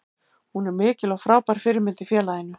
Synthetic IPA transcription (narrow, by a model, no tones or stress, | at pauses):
hunɛɾmɪːcɪlɔɣfɾaːwpajɾ̥fɪɾɪɾmɪnt̪ɪfjɛːlaɪnːʏ